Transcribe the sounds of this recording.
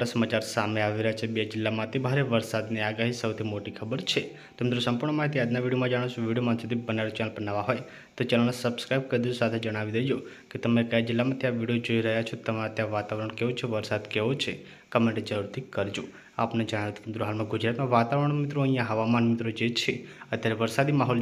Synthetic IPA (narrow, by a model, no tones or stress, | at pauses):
ʈasəmat͡ʃaɾsameaʋiɾəɦjat͡ʃʰebed͡ʒɪlːamãt̪ʰibʱaɾeʋəɾsad̪niaɡaɦisəwt̪ʰimoʈikʰəbəɾt͡ʃʰe | t̪əmɪd̪ɾosəmpuɾɳəmaɦit̪̬iad̪naʋiɽijomãd͡ʒaɽ̃ot͡ʃʰũʋiɽijomansud̪ʰibənaɾt͡ʃɛnəlbənaʋaɦoj | t̪ot͡ʃɛnəlsəbskɾajb̚kəɾd̪id͡ʒosat̪ʰed͡ʒəɽ̃aʋid̪əid͡ʒo | ket̪əmekəjad͡ʒɪlːamãt̪ʰijaʋiɽijod͡ʒoiɾəɦjat͡ʃʰot̪əmãt̪jãʋat̪aʋɾəɳ̃keʋot͡ʃʰeʋəɾsad̪keʋot͡ʃʰe | kəmẽɳʈed͡ʒəɾuɾt̪ʰikəɾd͡ʒo | a̰pned͡ʒəɽ̃aʋjot̪ʰt̪əmd̪ɾoɦalmãɡud͡ʒɾat̪mãʋat̪aʋəɾəɳmit̪ɾoəɦĩjãɦəʋamanmɪt̪ɾod͡ʒet͡ʃʰeət̪jaɾeʋəɾsad̪imaɦɔl